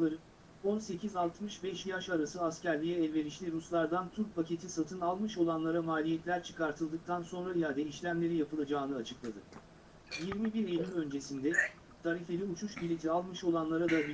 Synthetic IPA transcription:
o̞nse̞cʰizalˠt̪mɯʃbɛʃjaʃaɾasɯascæɾlʲijɛːlʲve̞ɾiʃlʲiɾuslˠaɾd̪ant̪ʰuɾk̚pʰacʰe̞t̪ʰisat̪ʰɯnalˠmɯʃo̞lˠanlˠaɾamaːlʲijɛt̪lʲæɾt͡ʃʰɯ̥kaɾt̪ʰɯlˠd̪ɯk̚t̪ʰanso̞nɾajad̪eiʃlʲæmlʲe̞ɾijapʰɯlˠad͡ʒaːnɯat͡ʃʰɯklˠad̪ɯ | jiɾmibiɾelʲylʲø̞nd͡ʒe̞sind̪ɛ | t̪ʰaɾife̞lʲiut͡ʃʰuʃbilʲit̪ʰialˠmɯʃo̞lˠanlˠaɾad̪ab

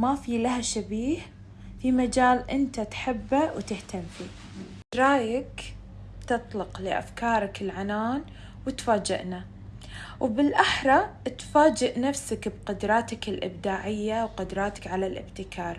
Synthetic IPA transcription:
mafilahaʃabiːh | fimad͡ʒaːlʔɪnt̪at̪ħɪbːawt̪ɪht̪amfiː | ɾˤɑːjak | t̪ɨt̪ˤlɑqlɪʔa̰fkɑːɾˤɪkɪlʕanaːn | wɪt̪faːd͡ʒɪ̰ʔna | wbɪlʔaħɾˤɑt̪faːd͡ʒɪʔnafsakbqʊd̪ɾˤɑːt̪akɪlʔɪ̰bd̪aːʕɪjːawqʊd̪ɾˤɑːt̪ḁkʕalalʔɪ̰bt̪ɪkʰɑːɾˤ

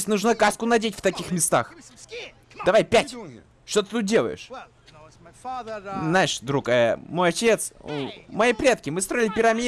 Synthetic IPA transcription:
esʲnuʐnakaskʊnɐdʲetʲft̪ɐkʲixmʲɪst̪a̰x | d̪ɐvajpʲætʲ | ʂt̪ot̪ɨ̥t̪ut̪̚dʲelˠə̰jɪ̰ʂ | znaɪʂd̪ɾukaəmo̞jɐt͡ɕʲe̞t̪smɐjipɾʲet̪kʲɪmɨst̪ɾo̞jɪlʲɪpʲɪɾɐmʲi

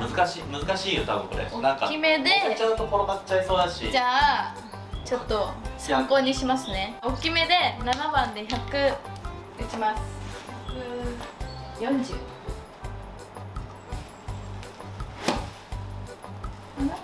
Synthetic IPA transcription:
mɯ̟zɨkaɕiːmɯ̟zɨkaɕiːjot̪abɯ̟ŋko̞ɾḛonãŋka̰ime̞d̪e̞t͡ɕãnt̪okoɾobat͡ɕaiso̞ːd̪aɕḭd͡ʑaː | t͡ɕo̞t̪ːo̞sãŋko̞ːɲiɕimasɨne̞o̞kʲime̞d̪e̞nanabãnd̪e̞çakɯ̟ | ɯt͡ɕimasɨ̥kɯ | jõ̞ɲd͡ʑɨː

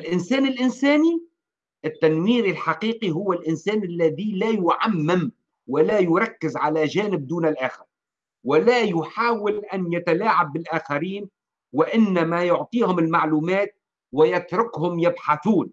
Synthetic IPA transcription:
ʔɪlʔɪnsæːnɪlʔɪnsæːni | ʔɪt̪ːanwiːɾilħaqiːqiɦʊwːalʔɪnsæːnɪlːaðilajʊʕamːɪm | wɪlajʊɾˤɑkːɪzʕalaʒæːnɪb̚d̪uːnɪlʔaːxɪɾ | wɪlajʊħaːwɪlʔanjat̪alaːʕabːɪlʔaːxaɾiːn | wɪʔɪnːamajʊʕt̪ˤiːhʊmɪlmaʕluːmæːt̪̚ | wɪjat̪ɾʊkhʊmjɪbħaθuːn

